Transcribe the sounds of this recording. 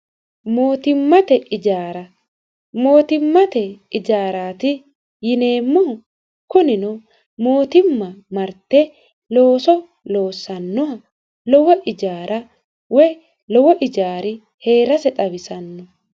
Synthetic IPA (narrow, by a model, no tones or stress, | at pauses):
mo̞ːt̪ɪmːɐt̪ɛʔɪd͡ʒaːɾɐ | mo̞ːt̪ɪmːɐt̪ɛɪd͡ʒaːɾaːt̪ɪ | jɪne̞ːmːɔ | kʊnɪnɔ | mo̞ːt̪ɪmːɐmɐɾt̪ːɛ | lo̞ːsɔ | lo̞ːsːɐnːɔɐ | lɔwɐʔɪd͡ʒaːɾʔɐ | wɔj | lɔwɔʔɪd͡ʒaːɾɪ | he̞ːɾɐsɛt̪ʼɐbɪsɐnːɔ